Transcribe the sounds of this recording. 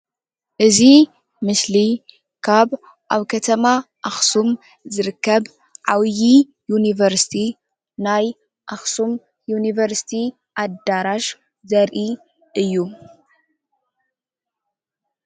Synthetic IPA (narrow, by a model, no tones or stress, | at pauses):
ʔɨzi | mɨsli | kʰaβ | ʔaβkʰɐt̪ʰɐmaʔaxsum | zɨɾɨkːɐβ | ʕawji | junivɐɾsi̥t̪ʰi | naj | ʔaxsum | junivɐɾsi̥t̪ʰi | ʔad̪aɾaʃ | zɐɾʔi | ʔɨjːu